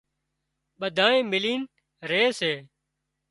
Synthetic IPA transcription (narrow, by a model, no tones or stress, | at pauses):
ɓəd̪ʱaːɳẽːmɪliːn | ɾeːseː